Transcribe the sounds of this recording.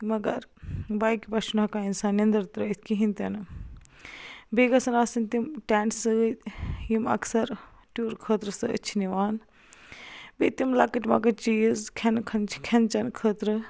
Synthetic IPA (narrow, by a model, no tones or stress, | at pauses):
mɐɡɐ̰ɾbaːjkipɐʃunɐkainsaːnjɐnd̪ɐɾt̪ɾɐit̪ʰkiɦint̪ɐnɨ | beːɡɐsɐnaːsɐnt̪imʈaːɳʈsɨ | jimɐ̰ksɐɾ | ʈuːɾkʰəːt̪ɾɨsɨɨ̰t͡ʃʰiniʋaːn | bet̪imlakɐʈʲmɐ̰ɡɐɾt͡ʃiːjizkʰɐnkʰɐnt͡ʃʰkʰɐnt͡ʃɐnkʰəːt̪ɾɨ